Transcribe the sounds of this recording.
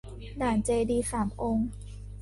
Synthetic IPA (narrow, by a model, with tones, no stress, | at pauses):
daː˨˩˦nt͡ɕeː˧diː˧saː˩˦mʔo˧ŋ